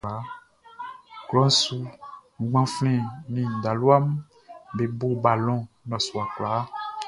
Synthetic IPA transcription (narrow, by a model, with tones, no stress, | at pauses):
a˨˦ | ɡlɔ̃˦n˦su˦ŋ̩˨ɡ͡bã˦flɛ̃˦˨nĩ˨da˨lu˦a˦m˦ | be˨bo˦ba˨lɔ̃˦ | nɔ̃˨su˨a˨kla˨˦